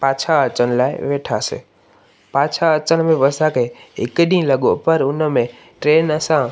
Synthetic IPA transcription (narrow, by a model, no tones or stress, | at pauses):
pãːt͡ʃʰaət͡ʃənlaːeʋeːʈʰasḛ | pãːt͡ʃʰaət͡ʃənmẽʋəsakʰeɪ̰kɗĩːləɠopəɾʊnəmẽ | ʈɾeːnəsã